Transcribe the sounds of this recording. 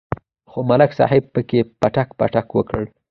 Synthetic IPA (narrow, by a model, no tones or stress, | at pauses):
xomalaksɑ̰hɪb̚pəkepaʈakpa̰ʈakwəkəɽ